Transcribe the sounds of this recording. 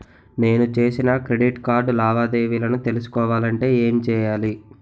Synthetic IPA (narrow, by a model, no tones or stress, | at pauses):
ne̞ːnut͡ʃe̞ːsinɐkɾeɖiʈkaːɾɖlaːʋaːd̪e̞ːʋiːlɐnut̪e̞lus̬u̥kɔːʋaːlɐɳʈe̞ːeːmt͡ʃɛːjaːli